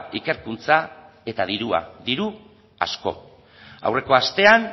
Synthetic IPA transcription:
ike̞ɾkunt͡sa | e̞t̪að̞iɾua̰ðiɾu | a̰sko̞̰ | a̰wre̞ko̞ast̪e̞an

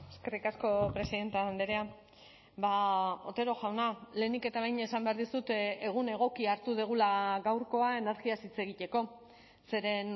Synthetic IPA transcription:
eske̞rikasko̞pɾe̞siðe̞nt̪eand̪eɾea | bao̞t̪e̞ɾo̞ʝawnale̞ːnike̞t̪aβejɲe̞sambe̞aɾðisut̪eeɣ̞une̞ɣ̞o̞kiaɾt̪uð̞eɣ̞ulaɣawɾko̞ae̞ne̞ɾɣiasit͡se̞ɣic̪e̞ko̞ | se̞ɾe̞n

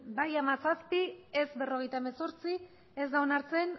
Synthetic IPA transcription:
bajamasaspiezbe̞ro̞ɣe̞jt̪aemeso̞ɾt͡si | ezd̪aonaɾt͡se̞n

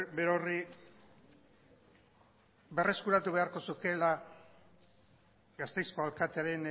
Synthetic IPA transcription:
beɾori | be̞re̞skuɾat̪uβe̞aɾko̞suke̞la | ɡast̪e̞jsko̞alkat̪eaɾe̞n

